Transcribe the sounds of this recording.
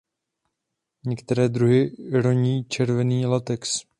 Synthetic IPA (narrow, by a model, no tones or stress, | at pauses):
ɲɛkt̪ɛɾɛːd̪ɾuɦɪɾoɲiːt͡ʃɛɾvɛniːlat̪ɛks